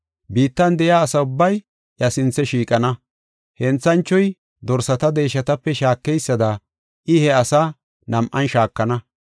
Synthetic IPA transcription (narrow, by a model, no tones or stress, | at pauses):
biːt̪ːɐnd̪ɛjaːsɐʊbːɐj | ʔjɐsɪnt͡sːɛʃiːkʼɐnɐ | hɛnt͡sːɐnt͡ʃːɔj | d̪ɔɾsɐt̪ɐd̪e̞ːʃɐt̪ɐpːɛʃaːkːɛjsːɐd̪ɐ | ʔɪhɛɐsa | nɐmʔɐnʃaːkːɐnɐ